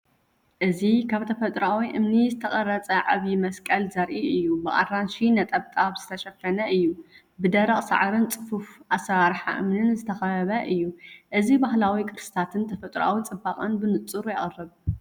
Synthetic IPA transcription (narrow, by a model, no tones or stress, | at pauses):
ʔɨzikʰaβt̪ʰɐfɐt̪ʼɾawiʔɨ̰mnizɨt̪ʰɐχʼɐɾɐt͡sʼɐʕaβjimɐskʼɐlzɐɾʔiɨjːubɨʔʼa̰rːanʃinɐt̪ʼɐβt̪ʼaβz̥ɨt̪ʰɐʃɐfɐnɐʔɨjːu | bɨd̪ɐɾɐχʼsa̰ʕɾɨnt͡sʼɨfufʔasɐaɾħa̰ʔɨ̰mnɨnzɨt̪ʰɐxɐɐβɐʔɨjːuʔɨzibaɦlawikʰɨɾsɨ̥t̪ʰat̪ʰɨnt̪ʰɐfɐt̪ʼɾa̰wit͡sʼɨbaqʼɐnbɨnɨt͡sʼːɨɾujɛχʼɐrːɨβ